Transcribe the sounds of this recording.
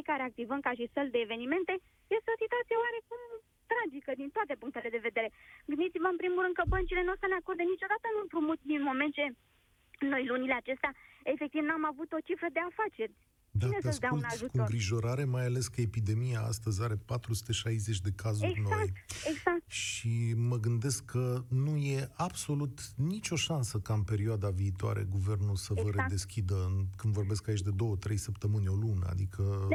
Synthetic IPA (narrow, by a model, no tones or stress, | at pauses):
ejkaɾe̞ak̚t̪ivəmkaʃisəld̪e̞ːve̞nime̞nt̪e̞ | je̞st̪eo̞sit̪uat̪sieoaɾe̞kum | t̪ɾad͡ʒikəd̪int̪oat̪e̞puŋk̚t̪ele̞d̪e̞ve̞d̪e̞ɾe̞ɡɨnd̪it̪sivəɨnpɾimulɾɨnd̪kəbənt͡ʃile̞nuasəneako̞rd̪enit͡ʃo̞d̪at̪ənuampɾumut̪̚d̪inmo̞me̞nt̪̚t͡ʃe̞ | no̞jlunile̞at͡ʃe̞st̪eaefe̞k̚t̪ivnuamavut̪o̞t͡ʃifɾəd̪e̞afat͡ʃe̞rʲ | d̪at̪sd̪auulnaukuŋɡɾiʒo̞ɾaɾe̞majale̞skəepid̪e̞mijaa̰st̪əzʲaɾe̞pat̪ɾusu̥t̪e̞ʃajze̞t͡ʃʲd̪e̞kazuɾnnoaj̪eɡzakt̪ʃiməɡɨnd̪e̞skʰːənuje̞abso̞lut̪nit͡ʃʲo̞ʃansəkaɨnpe̞ɾioad̪aviːt̪oa̰ɾe̞̰ɡuve̞rnulsəvəɾed̪e̞skʲid̪əkɨnd̪vo̞rbe̞skait͡ʃʲd̪e̞d̪o̞wət̪ɾe̞jsəpt̪əmɨnʲo̞lunəa̰d̪ikʰə